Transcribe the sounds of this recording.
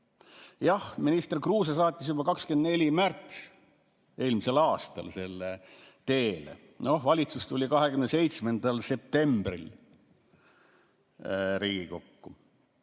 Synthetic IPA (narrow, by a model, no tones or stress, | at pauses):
jɑhminist̪erkruːs̬ɑs̬ɑːt̪ʲːˑis̬jubɑkɑkskend̪ne̞lʲimært̪s | e̞ːlmise̞lɑːst̪ɑ̰lse̞lːe | t̪e̞ːlḛ | no̞hvɑlʲit̪sust̪ulʲikɑɦekymnese̞jt̪sme̞nd̪̥ɑlse̞p̚t̪e̞mb̥rḭl | ɾiːɡiko̞kːu